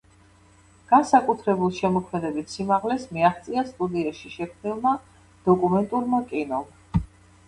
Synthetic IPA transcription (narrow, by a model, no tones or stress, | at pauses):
ɡ̥ansakʼut̪ʰɾɛbulˠʃɛmɔkʰmɛd̪ɛbit̪simaʁlɛsmiaχt̪sʼiast̪ʼud̪iaʃiʃɛkʰmnilˠma | d̪̥ɔkʼumɛnt̪ʼuɾmakʼinɔm